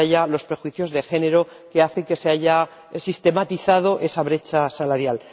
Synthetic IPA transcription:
aʝalo̞spɾe̞xwiθjo̞zðe̞xe̞ne̞ɾo̞ | ke̞aθe̞ŋke̞seaʝa | sist̪e̞mat̪iθað̞o̞ʔe̞saβ̞ɾe̞t͡ʃasalaɾjal

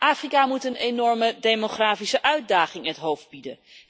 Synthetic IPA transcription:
ʔaːfrikaːmutənenɔɹmədejmoχraːfisəʔœɥt̚daːχɪŋətɦowfd̚bidən

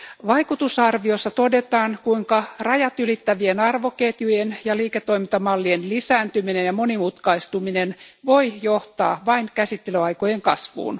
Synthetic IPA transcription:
ʋɑikut̪usɑrʋiosːɑt̪odet̪ɑːŋkuiŋkɑrɑjɑt̪ylit̪ːæʋienɑrʋoket̪jujenjɑliːket̪ːoimint̪ɑmɑlːienlisæːnt̪yminenjɑmonimut̪kɑist̪uminenʋoijoht̪ɑ̰ːʋɑiŋkæsit̪ːelyɑikojeŋkɑsʋṵːn

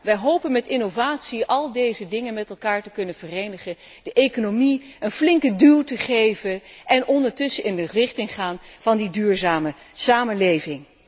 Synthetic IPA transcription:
ʋɛjɦowpənmɛtɪnovaːtsiʔɑlˠdejzədɪŋənmɛtɛlˠkaːɹtəkɵnənv̥ərejnəχən | d̥əʔejkonomiənflɪŋkədylˠtəχejvənʔɛnɔndəɹtɵsəɪndərɪχtɪŋχaːnv̥ɑndidyːɹzaːmə | saːmənlejvɪŋ

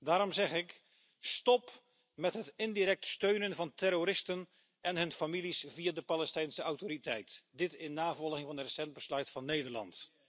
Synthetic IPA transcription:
daːɾɔmzɛχɪk | stɔp | mɛtɦətɪndiɾɛk̚tstøɥnənvɑntɛɾoɾɪstən | ʔɛnɦɵnfamilisviadəpalɛstɛjnsəawtoɾitɛjtdɪtɪnːaːvɔlˠɣɪŋvɑnətrəsɛnd̚bəslœɥtfɑnːejdəɹlɑ̰nt

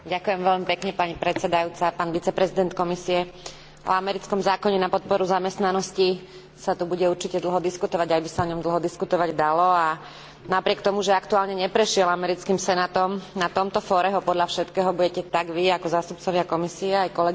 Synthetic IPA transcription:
ɟakujɛmʋɛʎmipɛkɲɛpaɲipɾɛt͡sɛd̪ajut͡sapaːnʋit͡sɛpɾɛzid̪ɛnt̪kɔmisiɛ | ɔ̰amɛɾit͡skɔmzaːkɔɲɛnapɔt̪̚pɔɾuzamɛst̪nanɔsci | sat̪ubuɟɛuɾt͡ʃicɛd̪l̩ˠɦɔd̪iskut̪ɔʋaɟajbisaɔɲɔmd̪l̩ˠɦɔd̪iskut̪ɔʋaɟd̪alɔa | napɾɪɛkt̪ɔmuʒɛakt̪uaːlɲɛɲɛpɾɛʃɪɛlamɛɾit͡skimsɛnaːt̪ɔmnat̪ɔmt̪ɔfɔːɾɛɦɔpɔd̪ʎafʃɛt̪kɛːɦɔbuɟɛcɛt̪aɡʋiakɔzaːst̪up̚t͡sɔʋɪakɔmisiɛajkɔlɛɡ

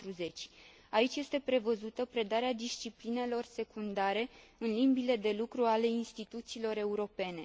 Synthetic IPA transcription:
t̪ɾuze̞t͡ʃʲ | ait͡ʃje̞st̪e̞pɾe̞vəzut̪əpɾe̞d̪aɾead̪ist͡ʃipline̞lo̞rse̞kund̪aɾe̞ɨnlimbile̞d̪e̞lukɾuale̞inst̪it̪ut̪siːlo̞ɾe̞uɾo̞pe̞ne̞

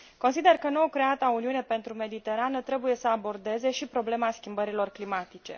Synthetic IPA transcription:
ko̞nsid̪e̞rkənookɾe̞at̪auniune̞pe̞nt̪ɾume̞d̪it̪e̞ɾanət̪ɾe̞buje̞səabo̞rd̪e̞ze̞ʃipɾo̞ble̞maskʲimbəɾilo̞rklimat̪it͡ʃe̞̰

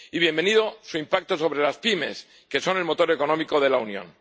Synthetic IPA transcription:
iβjembe̞niðo̞suimpak̚t̪o̞so̞βɾe̞laspime̞̰s | ke̞so̞ne̞lmo̞t̪o̞ɾe̞ko̞nõ̞miko̞ð̞e̞launjo̰n

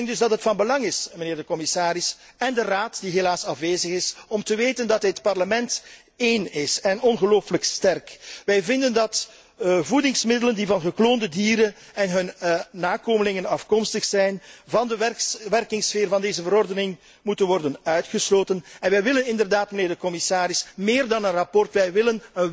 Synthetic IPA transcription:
ŋdɵzdɑtɦətfɑnbəlɑŋɪsməneːrdəkɔmɪsaːɾɪs | ɛndəraːtdiɦelaːsɑfʋeːzəɣɪsɔmtəʋeːtəndɑtɦətpɑrləmɛnt | eːnɪsɛnɔnɣəloːfələkstɛrkʋɛjvɪndəndɑt | vudɪŋsmɪdələndivɑnɣəkloːndədiːɾən | ɛnɦɵnːaːkoːməlɪŋənɑfkɔmstəxsɛjnvɑndəʋɛrkɪŋsfeːrvɑndeːzəvəɾɔrdənɪŋ | mutənʋɔrdənœɥtxəsloːtənɛnʋɛjʋɪlənɪndərdaːtməneːrdəkɔmɪsaːɾɪsmeːrdɑnənrɑpɔrtʋɛjʋɪlənən

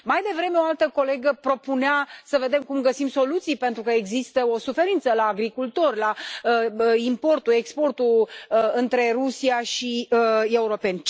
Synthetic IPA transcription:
majd̪e̞vɾe̞me̞o̞alt̪əko̞le̞ɡəpɾo̞puneasəve̞d̪e̞mkumɡəsimso̞lut̪sijpe̞nt̪ɾukəeɡzist̪əo̞sufe̞ɾint̪səlaːɡɾikult̪o̞rʲlaəimpo̞rt̪uekspo̞rt̪uɨnt̪ɾe̞ɾusiaʃie̞uɾo̞pe̞nʲ

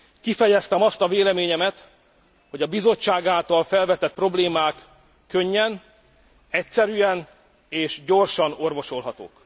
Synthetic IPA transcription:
kifɛjɛst̪ɛmɒst̪ɒveːlɛmeːɲɛmɛt̪ | ho̞ɟɒbizo̞t͡ʃːaːɡaːlt̪ɒlfɛlvɛt̪ɛt̪̚pro̞bleːmaːkː | ø̞ɲːɛn | ɛcsɛɾyɛn | eːʃɟo̞rʃɒno̞rvo̞ʃo̞lɦɒt̪o̰ːk

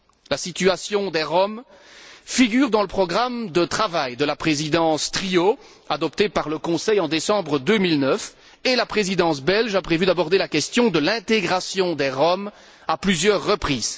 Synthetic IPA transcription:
lasit̪yasjɔ̃d̪ɛʁɔm | fiɡʲyːʁd̪ɑ̃ləpχɔɡʁamd̪ət̪χavajd̪əlapχezid̪ɑ̃st̪χio | ad̪ɔp̚t̪epaʁləkɔ̃sɛjɑ̃d̪esɑ̃bʁəd̪ømilnœf | elapχezid̪ɑ̃s̬bɛlʒapχevyd̪abɔʁd̪elakʲɛst̪jɔ̃d̪əlɛ̃t̪eɡʁasjɔ̃d̪ɛʁɔm | aplyzjœʁːəpχiːz

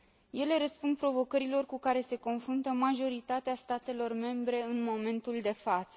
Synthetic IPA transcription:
je̞le̞ɾəspund̪̚pɾo̞vo̞kəɾilo̞rkukaɾe̞se̞ko̞nfɾunt̪əmaʒo̞ɾit̪at̪east̪at̪e̞lo̞rme̞mbɾe̞ɨnmo̞me̞nt̪uld̪e̞fat̪sə

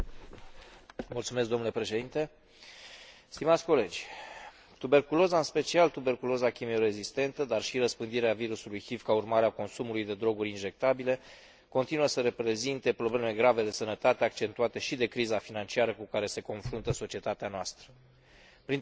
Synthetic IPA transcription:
mult̪sumes̬kd̪o̞mnule̞pɾe̞ʃe̞d̪int̪e̞ | st̪imat̪sʲko̞le̞d͡ʒʲ | t̪ube̞rkulo̞zaɨnspe̞t͡ʃialt̪ube̞rkulo̞zakʲimeoɾe̞zist̪e̞nt̪əd̪arʃiɾəspɨnd̪iɾeaviɾusulujxivkaurmaɾeako̞nsumulujd̪e̞d̪ɾo̞ɡuɾʲinʒe̞k̚t̪abile̞ | ko̞nt̪inuəsəɾe̞pɾe̞zint̪e̞pɾo̞bleme̞ɡɾave̞d̪e̞sənət̪at̪e̞ak̚t͡ʃe̞nt̪uat̪e̞ʃid̪e̞kɾizafinant͡ʃiaɾəkukaɾe̞se̞ko̞nfɾunt̪əso̞t͡ʃie̞t̪at̪eanoast̪ɾə | pɾin

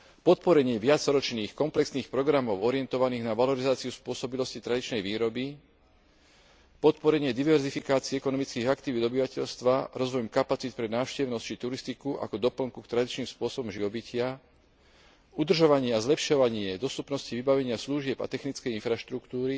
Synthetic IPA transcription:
pɔt̪pɔɾɛɲɪɛʋɪat͡sɾɔt͡ʃniːxkɔmplɛksniːxpɾɔɡɾamɔʊɔɾɪjɛnt̪ɔʋaniːɣnaʋalɔɾizaːt͡siuspʊɔsɔbilɔscit̪ɾad̪it͡ʃnɛjʋiːɾɔbi | pɔt̪pɔɾɛɲɪɛd̪iʋɛɾzifikaːt͡siɛkɔnɔmit͡skiːɣakt̪iʋiːd̪ɔbiʋacɛʎst̪ʋaɾɔzʋɔjɔmkapat͡sit̪̚pɾɛnaːʊʃcɛʊnɔst͡ʃit̪uɾist̪ikuʔa̰kɔd̪ɔpl̩ŋkukt̪ɾad̪it͡ʃniːmspʊɔsɔbɔmʒiʋɔbicʰɪa | ud̪r̩ʒɔʋaɲɪɛazlɛpʃɔʋaɲɪɛd̪ɔst̪upnɔsciʋibaʋɛɲɪasluʒɪɛba̰t̪ɛxnit͡skɛjinfɾaʃt̪ɾukt̪uːɾi

